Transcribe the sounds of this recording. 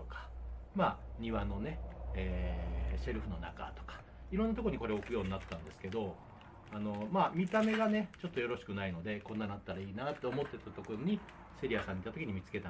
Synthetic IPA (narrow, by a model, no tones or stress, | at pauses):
okḁ | maːɲ̟iβano̞ne̞eːse̞ɾɯ̟ɸɯ̟no̞na̰ka̰t̪o̞̥kḁ | iɾonːat̪o̞koo̟iko̞ɾeokɯ̟jo̞ːɲinat̪ːãnd̪e̞sɨ̥ke̞d̪o̞ | ano̞maːmʲit̪ame̞ɡane̞t͡ɕo̞t̪ːo̞jo̞ɾo̞ɕi̥kɯ̟naino̞d̪e̞kõ̞nːanat̪ːaɾaiːnat̪ːe̞omo̞t̪ːe̞t̪at̪o̞koɾo̞ɲ̟i | se̞ɾʲijasãɲ̟ːit̪ːat̪o̞kʲiɲ̟imʲit͡sɨ̥ke̞t̪a